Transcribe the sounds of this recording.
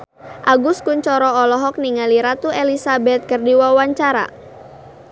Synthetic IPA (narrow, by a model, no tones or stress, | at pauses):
ʔaɡʊskuɲt͡ʃɔɾɔɔlɔɦɔk̚niŋaliɾat̪uelisabɛt̪̚kərdiwawaɲt͡ʃaɾa̰